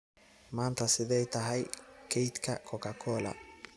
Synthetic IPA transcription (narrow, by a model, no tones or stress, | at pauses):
maːnt̪ʰɐsɪðɛjt̪ʰɐɦɛjkʰɛjt̪kʰɐ̰kʰɔkʰɐkʰɔːlɐ̰